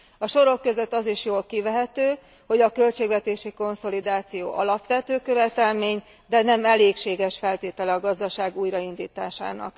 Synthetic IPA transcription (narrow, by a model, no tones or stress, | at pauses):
ɒʃo̞ɾo̞kːø̞zøt̪ːɒziʃjoːlkivɛɦɛt̪øː | ho̞ɟɒkø̞lt͡ʃeːɡʋɛt̪eːʃiko̞nso̞lid̪aːt̪sijo̰ːʔɒlɒpʋɛt̪øːkø̞vɛt̪ɛlmeːɲ | d̪ɛnɛmɛleːkʃeːɡɛʃfɛlt̪eːt̪ɛlɛɒɡɒzd̪ɒʃaːɡuːjɾɒind̪iːt̪aːʃa̰ːnɒ̰k